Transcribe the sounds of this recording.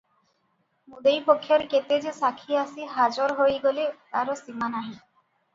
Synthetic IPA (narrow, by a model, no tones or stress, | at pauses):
mud̪ejpokʰːjɔɾket̪ed͡ʒesakʰiasiɦad͡ʒɔɾɦojɡolet̪aɾosimanaɦĩ